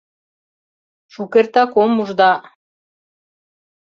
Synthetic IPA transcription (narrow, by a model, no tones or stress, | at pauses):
ʃukert̪ɑkomuʒd̪ɑ